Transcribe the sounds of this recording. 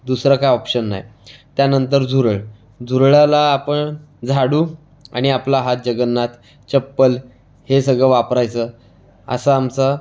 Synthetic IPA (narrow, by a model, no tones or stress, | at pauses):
d̪usɾakajɔpɕənːa̰jt̪janənt̪əɾd͡zʱuɾəɭ | d͡zʱuɾɭalaːpəɳ | d͡zʱaɽuː | a̰ɽ̃iaplaɦat̪̚d͡ʑəɡənːat̪ | t͡ɕəpːəl | hesəɡɭəʋapɾajt͡sə | ə̰saamt͡sa